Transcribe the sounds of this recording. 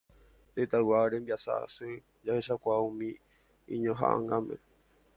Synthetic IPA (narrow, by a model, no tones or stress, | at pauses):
ɾet̪awaɾembiasa̰ʔa̰sɨ | d͡ʒaheʃakʷaũmĩ | ĩɲõɦa̰ʔã̰ŋɡãmẽ